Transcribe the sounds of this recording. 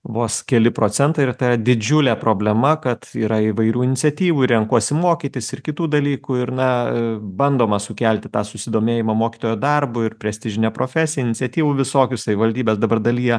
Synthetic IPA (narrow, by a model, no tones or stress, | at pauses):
ʋoːskʲɛlʲɪpɾoːt͡s̪ʲɛnt̪ɐɪrt̪ɐɪɾɐd̪ʲɪd͡ʒʲʊlʲɛpɾoːbʲlʲɛmɐkɐt̪iːɾɐiʋɐɪɾʲuːɪnʲɪtt͡ssʲɛt̪ʲiːʋuːɪɾʲɛŋkuɔsʲɪmoːkʲiːt̪ʲɪsɪrkʲɪt̪uːd̪ɐlʲiːkuɪɾnɐbɐnd̪oːmɐsʊkʲælʲt̪ʲɪt̪ɑːsʊsʲɪd̪oːmʲeːjɪmɐmoːkʲi̥t̪oːjoːd̪ɐrbʊɪɾpʲɾʲɛsʲt̪ʲɪʒʲɪnʲɛpɾoːfʲæːsʲɪjɛɪnʲɪtt͡sʲsʲɛt̪ʲiːʋuːʋʲɪsoːkʲʊsɐʋʲɪʋɐlʲd̪ʲiːbʲeːsd̪ɐbɐrd̪ɐlʲiːjɛ